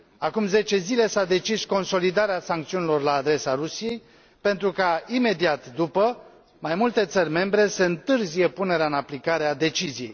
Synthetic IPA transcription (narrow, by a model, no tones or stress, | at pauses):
akumze̞t͡ʃe̞zile̞sad̪e̞t͡ʃisko̞nso̞lid̪aɾeasaŋk̚t̪siunilo̞rlaːd̪ɾe̞saɾusijej | pe̞nt̪ɾukaime̞d̪iat̪d̪upə | majmult̪e̞t̪sərʲme̞mbɾe̞seɨnt̪ɨrzije̞pune̞ɾeaɨnaplikaɾead̪e̞t͡ʃizije̞j